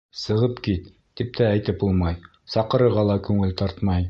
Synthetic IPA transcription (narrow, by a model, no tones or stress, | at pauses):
sɤ̆ʁɤpkit̪ːip̚t̪æːjt̪ɘpbulˠmɑj | sɑqɤ̆ɾɤ̆ɾʁɑlˠɑkʉŋɘlt̪ɑɾt̪mɑj